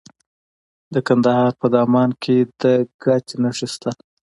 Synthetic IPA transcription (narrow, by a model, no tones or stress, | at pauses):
d̪əkand̪ahɑɾpəd̪ɑmɑnkʰed̪əɡ̥ɑt͡ʃenaʂist̪al